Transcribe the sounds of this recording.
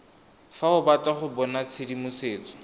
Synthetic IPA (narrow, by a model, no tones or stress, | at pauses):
faʊbataχʊbɔnat͡sʰɪdimʊseːt͡sɔ̥